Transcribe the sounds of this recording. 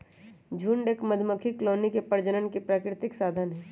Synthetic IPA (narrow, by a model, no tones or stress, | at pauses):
d͡ʒʱuːɳɖeːkməd̪ʱməkʰikloːnikepəɾd͡ʒənənkepɾaːkɾɪt̪ɪksaːd̪ʱənɦɛː